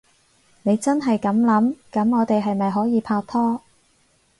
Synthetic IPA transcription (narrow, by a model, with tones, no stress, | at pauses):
ne˨˧jt͡sɐ˥nɦɐ˨jkɐ˨˥mlɐ˨˥mkɐ˨˥mŋɔː˨˧t̪e˨jɦɐ˨jmɐ˨jɦɔː˨˥jiː˨˧pʰaː˧k̚t̪ʰɔː˥